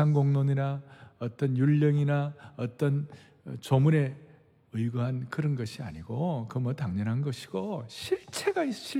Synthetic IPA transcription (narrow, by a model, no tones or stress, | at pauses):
anɡoŋnoɲinaʌt͈ʌnjuʎːʌŋinaʌt͈ʌn | t͡ɕomune̞ | ɯɭɡoɦankɯɾʌnɡʌɕʰia̰ɲiɡ̥okɯmʌtaŋɲʌnɦanɡʌɕʰi̥ɡ̥oɕʰiɭt͡ɕʰe̞ɡaiɕʰi